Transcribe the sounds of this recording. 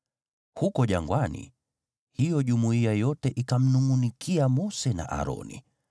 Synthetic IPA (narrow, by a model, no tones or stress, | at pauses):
hukɔʄa̰ŋɡwanḭ | hijɔʄumuiajɔtɛʔikam̩nuŋunikʰiamɔsɛna̰ʔa̰ɾɔ̰nḭ